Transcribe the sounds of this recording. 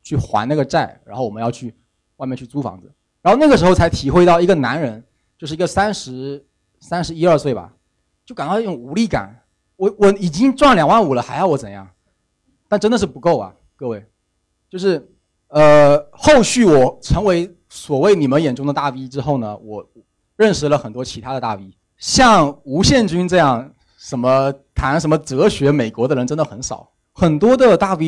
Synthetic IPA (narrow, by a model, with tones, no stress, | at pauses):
t͡ɕʰy˥˩xwa̰˧˥na˥˩ɡə˩ʈ͡ʂa˥˩ɪɻa˧˥xo˥˩ʊwɔ˨˩ə˦jɑ˥˧ʊt͡ɕʰy˥˩ | wmɛ˥˧˩t͡ɕʰy˥˩t͡su˥˩fɑ̰˧˥ŋd͡zɹ̩˧ | ɻa˧˥xo˥˧ʊa˥˩ɡəʂɻ̩˧˥xo˥˩ʊt͡sʰa˧˥ɪt̪ʰi˨˩xwe˥˧ɪɑ˥˩ʊi˧˥ɡə˧na̰˧˥nɻə˧˥n | t͡ɕjo˥˧ʊʂ̬̩˥˩˧ɡə˧sa˥nʂɻ̩˧˥ | sa˥nʂɻ̩˧˥i˥ə˞˥˧swe˥˩ɪbɐ̰˨˩ | t͡ɕjo˥˩ka˨˩nt̪ɑ˥˧˥ʈ͡ʂʊ˨˩ŋu˧˥li˥˩ka̰˨˩˦n | wɔ˨˩˥wɔ˨˩i˨˩t͡ɕi˥ŋʈ͡ʂwa˥˩nljɑ˨˩ŋwa˥˩nu˨˩lə˦xa˧˥ɪjɑ˥˩wɔ˧˥t͡sə˨˩njɑ̰˥˩ŋ | t̪a˥˩nʈ͡ʂə˥nd̪ə˨˩ʂɻ̩˥˩pu˧˥ko˥˩ʊɐ̰˩ | kɤ˥˧we˥˩ɪ | t͡ɕjo˥˧ʊʂɻ̩˥˩ | ə˧xo˥˧ʊɕy˥˩wɔ˨˩ʈ͡ʂʰɤ˧˥ŋwe˧˥ɪ | swɔ˨˩we˥˩ɪni˨˩mə˦njɛ˨˩nʈ͡ʂʊ˥ŋd̪ə˨˧t̪a˥˩pi˥ʈ͡ʂɻ̩˥xo˥˩ʊnə̰˩wɔ˧˩ | ɻə˥˩nʂɻ̩˧˥lə˨xə˨˩nt̪wɔ˥t͡ɕʰi˧˥t̪ʰa˥d̪ə˨t̪a̰˥˩pi˥ | ɕjɑ˥˩ŋu˧˥ɕjɛ˥˩nt͡ɕy˥nʈ͡ʂɤ˥˧jɑ˥˩ŋ | ʂə˧˥nmə˧t̪ʰa˧˥nʂə˧˥nmə˧t͡sɤ˧˥ɕɥɛ˧˥me˨˩ɪkwɔ˧˥d̪ə˧ɻə˧˥nʈ͡ʂə˥nd̪ə˨xə˧˥nʂɑ̰˨˩˦ʊ | xə˨˩nt̪wɔ˥d̪ə˨t̪a˥˩pi˥